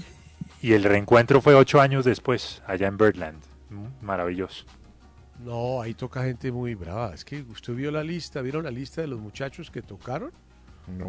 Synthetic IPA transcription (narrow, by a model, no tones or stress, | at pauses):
ie̞lre̞ŋkwe̞nt̪ɾo̞fwe̞o̞t͡ʃo̞aɲo̞zðespwe̞saʝaembeɾt̪lã̰nd̪ | maɾaβiʝo̞so̥ | noait̪o̞kaxe̞nt̪e̞mujβɾa̰βa̰eske̞ust̪eðβjo̞lalist̪aβjeɾonlalist̪aðe̞lo̞zmut͡ʃat͡ʃo̞ske̞t̪o̞kaɾo̞n